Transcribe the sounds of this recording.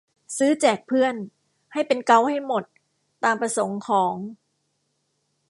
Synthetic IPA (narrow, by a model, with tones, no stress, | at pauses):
sɯː˦˥t͡ɕɛː˨˩k̚pʰɯ˥˩ən | ha˥˩jpe˧nka˥˩wha˥˩jmo˨˩t̪̚ː | aː˧mpɾa˧so˩˦ŋkʰɔː˩˦ŋ